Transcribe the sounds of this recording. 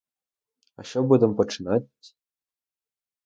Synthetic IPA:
a̰ɕobud̪ɤ̆mpə̆ʈ͡ʂnatʲ

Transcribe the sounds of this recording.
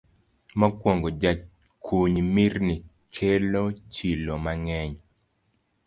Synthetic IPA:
mɔkwoŋɡod͡ʒat͡ʃ | kʰuɲmirni | kʰelot͡ʃilomaŋɛɲ

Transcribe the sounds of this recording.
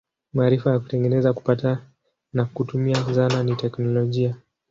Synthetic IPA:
maːɾifajaku̥tɛŋɡɛnɛzaku̥pata | nakutumiasananitɛknɔlɔʄia

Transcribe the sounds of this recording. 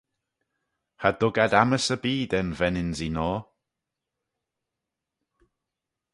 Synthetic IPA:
hadʊɡadaməsəbiːdɛnvɛnɪnzinɔː

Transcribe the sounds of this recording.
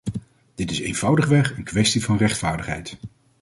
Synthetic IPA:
d̥ɪtɪsḛjnv̥ʌwdəχʋɛχənkʋɛstivɑnrɛχtfaːɹdəχɦɛ̰jt

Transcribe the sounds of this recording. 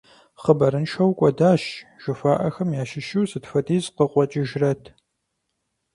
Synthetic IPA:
χəbɐɾɨnʃʰɐwkʷʼɔdaːʃʒ̥ɨfaːʔɐxɐmjaːʃɪʃɨwzɨtfɐdiːzqəqʷɔt͡ʃʼɪʒrɐtʰ

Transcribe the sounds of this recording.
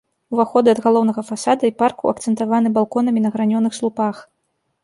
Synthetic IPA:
uvaxɔd̪ɨɐd̪ɣalˠɔwnɐɣɐfasad̪ɐiparkuɐkt̪sɛnt̪avan̪ɨbalˠkɔn̪ɐmʲinɐɣɾanʲɔnɨxslˠupax

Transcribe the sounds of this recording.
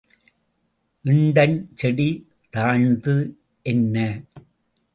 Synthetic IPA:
ʔɪɳɖɐnt͡ʃɛɽi | t̪aːɻnd̪ɯ | ʔɛnːɐ

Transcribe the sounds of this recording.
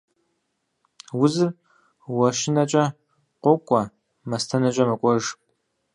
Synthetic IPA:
wʊzɨr | wɐʃɪnɐt͡ʃʼɐ | qʷɔkʷʼɐ | mɐstʰɐnɐt͡ʃʷʼɐmɐkʷʼɔʒ

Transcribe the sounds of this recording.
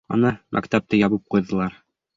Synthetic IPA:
ɒ̰nɑmʔæ̰kt̪æp̚t̪ɤjɒβɤp̚qujðɤ̆lˠɑɾ

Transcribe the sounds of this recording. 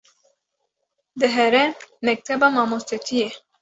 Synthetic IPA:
d̪ɨɦɛɾɛmɛk̚t̪ʰɛbɑːmɑmost̪et̪ʰije

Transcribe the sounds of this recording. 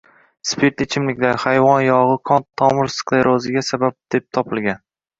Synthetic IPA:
spʰeɾt̪ɪt͡ʃʰɪmlɪkʲd̪ahajvɒnjɒʁɨqʰɒnt̪ʰːɒmɪɾsklˠeɾozɪɡʲasabap̚d̪̥e̞p̚t̪ʰɒpɪlˠɡʲan

